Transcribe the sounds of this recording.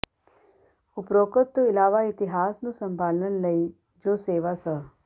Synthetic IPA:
ʊpɾoːkət̪ːoɪlaːʋait̪iɦaːsnũsə̃mbʱaːlnənləi | d͡ʒoːseːʋasə

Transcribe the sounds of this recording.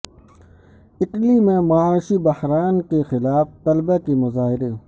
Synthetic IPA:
ɪʈlimẽmɐaːʃibɐhɾaːnkexɪlaːft̪ɐlbekemʊzaːɦɪɾeː

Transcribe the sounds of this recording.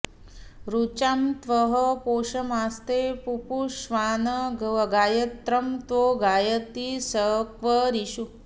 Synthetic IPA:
ɾut͡ʃamt̪ʋəɦəpoːʃɐmast̪epupuʃʋaːnɐɡɐʋɡaːjɐt̪ɾɐmt̪ʋoːɡaːjət̪isəkʋəɾiʃu

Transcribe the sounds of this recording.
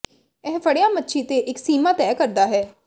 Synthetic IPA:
ɛːpʰəɽejãːmətːʃʰiːt̪eːʔɪksiːmãːt̪ɛːkəɾd̪aːɦɛː

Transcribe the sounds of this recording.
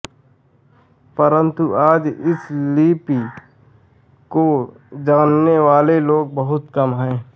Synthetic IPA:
pəɾə̃nt̪uaːd͡ʒɪsliːpi | ko | d͡ʒaːnːeʋaːleloːɡ̚bəɦʊt̪kɐmɦɛ̃ː

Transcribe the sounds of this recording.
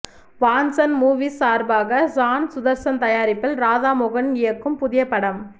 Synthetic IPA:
ʋaːnsɐnmuːʋisaːɾbaːɣɐsaːnsʊðɐɾsɐnt̪ɐjaːɾɪpːɪlɾaːðaːmɔɣɐnɪjɐkːɯmpʊðɪjɐpːɐɽɐm

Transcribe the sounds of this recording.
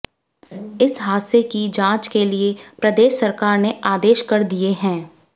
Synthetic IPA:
ɪsɦaːt̪sekid͡ʒãːt͡ʃkeliepɾəd̪eːʃːɐɾkaːɾneaːd̪eːʃkɐɾd̪ieɦɛ̃ː

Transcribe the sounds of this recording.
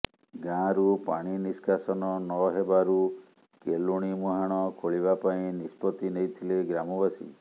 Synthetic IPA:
ɡãɾupa̰ɽ̃iniskʰasɔnɔnɔɦebaɾu | keluɽ̃imuɦaɽ̃ɔkʰoɭibapaĩnispɔt̪inejt̪ʰileɡɾamɔbasḭ

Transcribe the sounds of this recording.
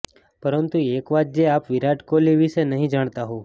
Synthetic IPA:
pəɾənt̪uekʋad̪̚d͡ʒeapʋiɾaʈkoliʋiʃenəɦĩd͡ʒaɳ̃t̪aɦõ

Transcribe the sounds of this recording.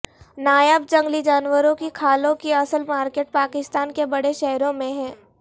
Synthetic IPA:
naːjəb̚d͡ʒɐ̃ŋɡlid͡ʒaːnwəɾõkikʰaːlõkiɐsəlmaːɾkeːʈ̚paːkɪst̪aːnkebɐɽeʃɛɦɾõmẽɦɛ̃ː

